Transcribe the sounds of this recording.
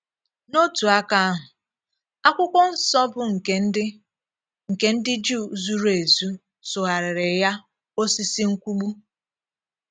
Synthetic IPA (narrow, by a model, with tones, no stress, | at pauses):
no˦tu˨a˦ka˦a˦ɦʊ˨ | a˦kʷʊ˦kʷɔ˦n̩˨sɔ˦bʊ˨ŋ̩˨ke˨˦dɪ˦ | ŋ̩˨ke˦n̩˦dɪ˦d͡ʒu˦˨˦zu˦ɾe˨zu˦ | sʊ˨ɦa˨ɾɪ˨ɾɪ˨ja˦ | o˦si˦si˦ŋ̩˦kʷu˦ɡ͡bu˦